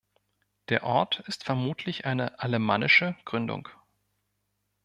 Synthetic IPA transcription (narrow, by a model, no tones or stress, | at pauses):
d̥eːɐʔɔɐtɪstfɛɐmuːtʰlɪçʔaɪnəʔaləmaːnɪʃəɡ̥ʁʏndʊ̰ŋk